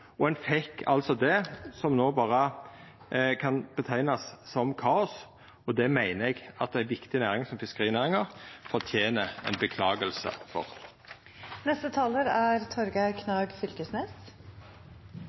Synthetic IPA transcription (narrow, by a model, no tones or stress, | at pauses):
ɔɛnfɛkʰːɑ̰lt̪sɔd̪ɛsɔmnoːbɑːʁə | kʰɑnb̥ət̪ʰæɪnɑsːɔmkʰɑːɔs | ɔd̪ɛmæɪnəɛɡɑt̪̚æɪnʋɪkt̪ɪnæːʁɪŋsɔmfɪskəʁiːnæːʁɪŋəʁfɔɾt̪ʰjeːnəɛ̰ɪnbəkʰlɑːɡəlsə̰fɔ̰ʁ | nɛst̪ət̪ʰɑːləɾæɾt̪ʰɔɾɡəkʰnɑːɡfʏlkəsnɛːs